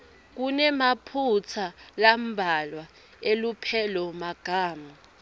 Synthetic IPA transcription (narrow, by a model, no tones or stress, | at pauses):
k̬unɛmapʰut͡sʰalam̩bʱalwa | elupʰɛlɔmaɡ̥ʱaːma